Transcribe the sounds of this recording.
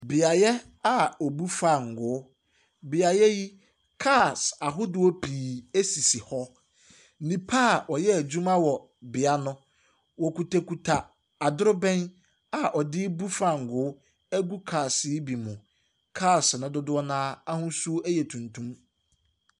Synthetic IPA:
bɪ˨a˨jɛ˦ | a˨ɔ˨bu˦fa˦˨ŋ̩˨ɡʊ˨˦ | bɪ˨a˨jɛ˦ji˦ | kʰa˦˨sa˨ɦʊ˦dʊ˨ɔ˦pʰiː˨æ˦si˨si˨hɔ˦ | nĩ˨pʰa˦˨wɔ˨jɛ˦æ˨d͡ʑᶣũ˦mã˦wɔ˨ | bɪ˨a˦nʊ̃˦ | wɔ˨ku˨tʰe˨kʰu˨tʰa˨ | a˨dʊ˦ɾʊ˦bɛ̃˦n | a˨ʔɔ˨dɪ˦bu˦fa˦˨ŋ̩˨ɡʊ˦ | æ˦ɡu˦kʰaː˨sɪ˦bi˨mʊ̃˨ | kʰaː˦˨snʊ̃˦dʊ˦dʊ˦ɔ˦nãː˦a˦hʊ̃˦su˦æ˦jɛ˨tʰũ˨ntʰũ˦m

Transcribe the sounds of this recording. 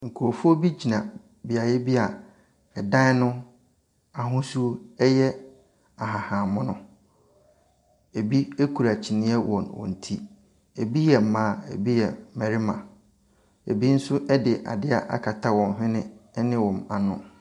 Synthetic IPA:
ŋ̩˨kʰu˨o˨fu˦ɔ˦bi˦d͡ʑi˨nã˨ | bɪ˨a˨jɛ˦bi˦a˨ | ɛ˨dã˦nʊ̃˦ | a˨ɦʊ̃˦su˦ɛ˦jɛ˦ | a˨ɦa˨hã˨mʊ̃˦nʊ̃˦ | e˨bi˦e˦kʰu˨ɾa˨t͡ɕʰi˨nɪ̃˦ɛ˦wɔ̃˨nwɔ̰̃˨n̩˨tʰi˦ | e˨bi˦jɛ˨m̩˨mãː˦˨ḛ˨bi˦jɛ˨mɛ˨ɾɪ˦mã˨ | ḛ˨bi˦n̩˦sʊ˦ʔɛ˦dɪ˨ʔa̰˨dɪ˦a˨ʔa̰˦kʰa˨tʰa˦wɔ̃˨n˦ɦɪ̃˦nɪ̃˦nɪ̃˦wɔ̃˨ma˨nʊ̃˦

